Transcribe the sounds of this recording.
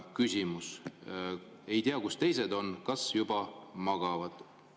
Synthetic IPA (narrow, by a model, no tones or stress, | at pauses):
kysʲimus | e̞jt̪iɑkust̪e̞js̬e̞d̪o̞nkɑsjub̥ɑmɑɡ̥ɑvɑd̪̥